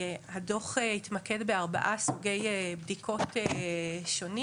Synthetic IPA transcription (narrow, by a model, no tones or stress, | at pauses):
hado̞χehitmakedbeaʁba̰ʔasuɡejebdikʰo̞teʃo̞ni